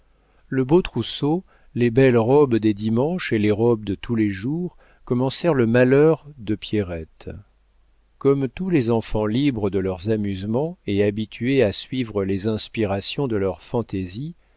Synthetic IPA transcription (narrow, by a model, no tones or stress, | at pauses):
ləbot̪χuso | lebɛlʁɔbd̪ed̪imɑ̃ʃeleʁɔb̚d̪ət̪ʰuleʒuʁ | kɔmɑ̃sɛʁləmalœʁd̪əpjeʁɛt̪ | kɔmt̪ulezɑ̃fɑ̃libʁəd̪əlœʁzamyzmɑ̃eabit̪ʰyeasɥivʁəlezɛ̃spiʁasjɔ̃d̪əlœʁfɑ̃t̪ezi